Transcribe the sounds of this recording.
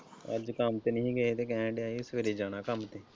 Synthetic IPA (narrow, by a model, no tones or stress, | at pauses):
ə̰d͡ʒkəmt̪eːnəɦĩːɡəet̪eːk̬ɛ̃ːɖeaːiːʊskəɾiːd͡ʒaːnaːkəmt̪eː